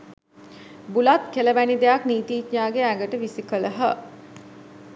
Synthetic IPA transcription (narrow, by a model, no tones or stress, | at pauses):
bulat̪keləʋænid̪ejakniːt̪iːtɲaːɡeæɡəʈəʋisikələɦə